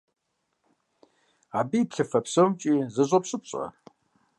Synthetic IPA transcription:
aːbipɬɨfɐpsowmt͡ʃʼiːzɐʑʷʼopɕʼɨp̚ɕʼɐ̰

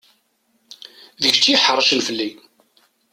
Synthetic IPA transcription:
ðəçt͡sːiħəɾˤʃənfəlːi

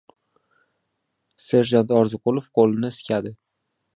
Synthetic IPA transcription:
se̞ɾʒant̪ɒɾzɨqʊlˠofqʰolˠɪnɪskʲʰad̪ɪ

